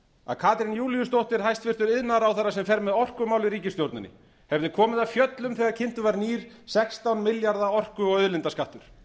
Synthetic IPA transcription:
a̰ðkʰaːt̪ɾɪnjuːlijʏst̪owht̪ɪɾ̥ɦajst̪fɪr̥t̪ʏɾɪðnaɾawθarːasɛmfɛɾmɛðɔr̥kʏmaːwlɪɾiːcɪst̪jowɾt̪nʏnːɪ̰ | hɛvðɪkʰɔːmɪðafjœt̪lʏmθɛːɣaɾcʰɪn̥t̪ʏvaɾniːɾ̥ | sɛkst̪awnmɪljaɾðaɔr̥kʏɔɣœðlɪnt̪askaht̪ʏɾ̥

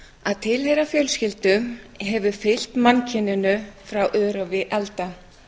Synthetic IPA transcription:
aðt̪ʰɪlhejɾafjœlscɪlt̪ʏmɦɛvʏfɪl̥t̪mancʰɪnːʏnʏfɾawʔœːɾavɪʔɛlt̪a

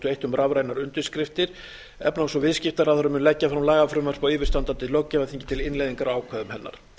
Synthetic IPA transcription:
t̪ʏejht̪ʏmrʔavɾajnaɾʏnt̪ʏ̥skɾɪft̪ɪɾ̥ | ɛ̰pnawsɔvɪðscɪft̪aɾavθœɾʏmʏnlɛcːafɾamlaːjɣafɾʏmaɾ̥pawɪːvɪ̥ɾst̪ant̪ant̪ɪlœwcːavaθiɲcɪ̥t̪ʰɪlɪnlejðiŋkaɾaːwkʰvɛðʏmhɛnːa̰ɾ̥

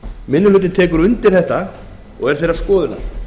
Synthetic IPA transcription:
mɪnːʏlʏːt̪ɪnt̪ʰɛːkʏɾʏnt̪ɪɾ̥θɛht̪a | ɔɣɛɾ̥θejɾaɾskɔːðʏna̰

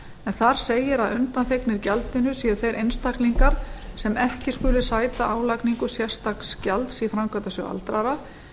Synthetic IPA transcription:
ɛnθaɾ̥seːjɪɾaðʏnt̪anθeknɪɾcalt̪ɪnʏsiːðʏθejɾʔejnst̪akliŋkaɾ̥sɛmɛhcɪskʏːlɪsaːjt̪aʔaːwlajkniŋkʏsjɛr̥st̪akscalt̪sifɾamkʰvat̪asœa̰lt̪ɾaɾa

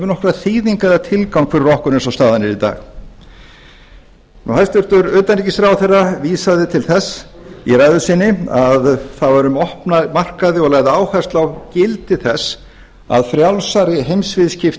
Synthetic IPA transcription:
vʏnɔhkɾaθiːðiŋkaðat̪ʰɪlkawŋkfɛɾɪrɔhkʏɾnɪnsawst̪aːðanɪɾit̪a̰ːɣ | nʔuhajst̪ʏɾ̥t̪ʏɾœːt̪anɾicɪsɾaːwθɛrːaviːsaðɪt̪ʰɪlθɛsː | iɾajðʏsɪnːɪaðθavaɾʏmɔhpnamar̥kaðɪɔɣlajɣðɪaːwhḁst̪lawcɪlt̪ɪθɛsː | a̰ðfɾjawlsaɾɪɦejmsvɪðscɪf

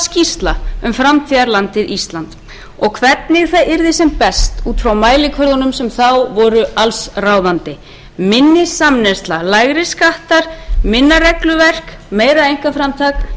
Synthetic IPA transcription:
scist̪laʏmfɾamt̪ʰiðaɾlant̪ɪðist̪lant̪ | ɔɣkʰvɛt̪nɪɣθaðɪɾðɪsɛmpɛst̪uːt̪fɾawmaːjlɪkʰvœɾðɔnʏmsɛmθawvɔɾʏalsraːwðant̪ɪ | mɪnːɪsamnɛst̪lalaːjɣɾɪskaht̪aɾ̥mɪnːaɾɛklʏvɛr̥kmeːjɾaejŋ̥kafɾamt̪ʰak

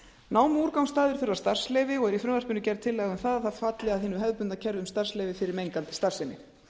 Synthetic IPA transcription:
naːwmuɾkawmst̪aːðɪɾ̥fʏɾvast̪ar̥slɛːjvɪɔɣɛɾifɾʏmvar̥pʏnʏcɛɾðt̪ʰɪlːɛːɣʏmθaðaθaðfaːt̪lɛɣaðheːnʏɦɛðpʏnt̪acʰɛɾðʏmst̪ar̥slɛːjvɪfɪɾɪɾmejŋkant̪ɪ̥st̪aɾ̥rsɛnɪ

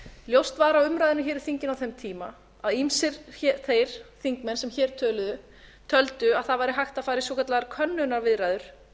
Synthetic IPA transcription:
ljowst̪vaːɾawʏmɾajðɪnʏçɛːɾɪ̥θiɲcɪnawθɛmt̪ʰiːma | aðimsɪɾθejɾ̥θiŋkmɛnsɛmçɛːɾ̥t̪ʰœːlʏðʏ | t̪ʰœlt̪ʏaðθaðvajɾɪɦajxt̪afaːjɾɪsvɔkʰat̪laɣaɾkʰœnːʏnaɾvɪðɾajðʏɾ̥

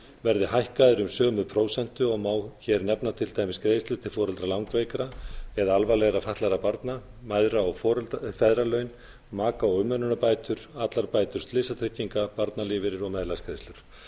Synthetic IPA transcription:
vɛɾðɪɦajhkaðɪɾʏmsœːmʏpʰɾoːwsɛn̥t̪ʏɔɣmaːwçɛɾnɛpnat̪ʰɪlt̪aːjmɪskɾejst̪lʏ̥t̪ʰɪlfɔːɾʏlt̪ɾalawŋkveːjkɾaɛðaalvajlɛɣɾafaht̪laɾapaɾt̪namajðɾaɔɣfɔɾlt̪fɛðɾalœɥn | maːkaɔɣʏmːœnʏnapaːjt̪ʏɾ̥at̪laɾpaːjt̪ʏɾ̥st̪lɪsat̪ʰɾɪcːiŋkapaɾt̪nalɪːvɪɾɪɾɔɣmɛðlaskɾeːjst̪lʏɾ̥

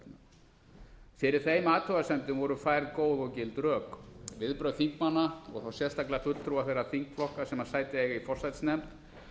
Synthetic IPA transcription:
n | fɪɾɪɾ̥θejmaːt̪ʰɔɣasɛmt̪ʏmvɔɾʏfaːjɾðkoːwðɔcɪlt̪ɾœːkvɪðpɾœɥðθiŋkmanːaɔɣθawsjɛ̥st̪aklɪafʏt̪l̥t̪ɾuaθejraθiŋkflɔhkasɛmḁsaːjt̪ɪɛɣifɔr̥sajt̪snɛmt̪

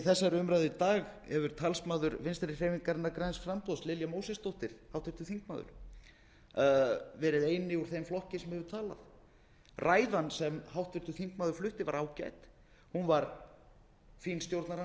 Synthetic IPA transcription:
θɛsːaɾʏmɾajðɪt̪aːɣhɛvʏɾ̥t̪ʰalsmaːðʏɾvɪnst̪ɾɪ̥rɛːviŋkaɾnːakɾajnsfɾampɔðslɪljamowsɛst̪owht̪ɪɾ̥hawt̪vɪɾ̥t̪ʏ̥θiŋk̚ma̰ːðʏ̰ɾ̥ | vɛːɾɪðeːjnɪuɾ̥θejmflɔhcɪsɛmhɛvʏɾt̪ʰaːla̰θ | rʔaːjðansɛmhawht̪vɪɾ̥t̪ʏθiŋk̚maːðʏɾ̥flʏht̪ɪvaɾaːwca̰jt̪ | hunvaɾ | finst̪jowɾt̪naɾa

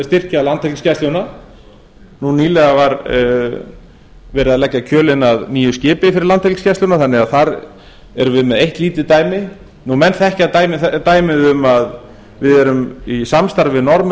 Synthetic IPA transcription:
st̪ɪr̥caalant̪hɛlkscɛst̪luna | nuniːlɛɣavaɾ | vɛːɾɪaðlɛcːacʰœːlɪnaðniːjʏscɪːpɪifɪɾɪlant̪hɛlkscɛst̪unaθanːɪaðθaɾ | ɛɾvɪðmɛðejht̪liːt̪ɪt̪aːjmɪ | numɛnt̪θɛhcɪaðt̪aːjmɪθt̪aːjmɪðʏmað | vɪðɛɾʏmisamst̪aɾvɪnɔɾm

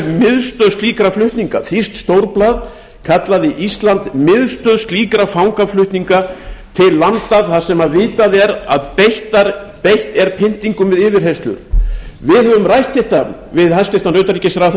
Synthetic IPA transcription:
mɪðst̪œðst̪liːkɾaflʏht̪niŋkaθist̪st̪owɾplaːð | kʰat̪laðɪʔist̪lant̪mɪðst̪œðst̪liːkɾafawŋkaflʏht̪niŋkat̪ʰɪlːant̪aðθḁsɛmaðvɪːt̪aðɛɾa̰ðpeht̪aɾ | pejht̪ɛɾpʰɪn̥t̪iŋkʏmvɪðɪːvɪɾhɦest̪lʏ̰ɾ̥vɪðhɛvʏmrajht̪ɪht̪a | vɪðhajst̪ɪht̪anrœɥt̪aɾicɪsaɾaθ

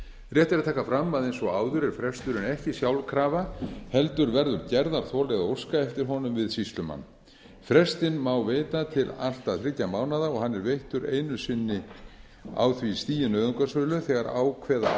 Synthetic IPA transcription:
rjɛht̪ɪɾat̪ʰaːkafɾamːaðejnsɔɣaːwðʏɾɛɾ̥fɾɛst̪ʏɾɪnɛhcɪsjawlkʰɾaːvahɛlt̪ʏɾvɛɾðʏɾcɛɾðaɾ̥θʰɔːlɛɣðaowskaɛft̪ɪɾ̥ɦɔnʏmvɪðsist̪lʏma̰nː | fɾɛst̪ɪnmawveːjt̪at̪ʰɪlal̥t̪aðθɾɪcːamaːwnaðaɔɣhanːɛɾvejht̪ʏɾeːjnʏsɪnːɪ | a̰wθvist̪iːjɪnœːɥðʏŋkasœlʏθɛɣaɾa̰ːwkʰvɛːða

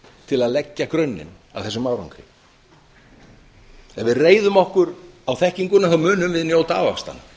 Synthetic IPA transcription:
t̪ʰɪlaðlɛcːakɾœɥnːɪ̰n | a̰wθɛsʏmawɾa̰wŋkʰɾɪ̰ | ɛnvɪðreːjðʏmɔhkʏɾawθɛhciŋkʏnːaθamʏːnʏmvɪðnjow̪t̪a̰ːva̰kst̪a̰na

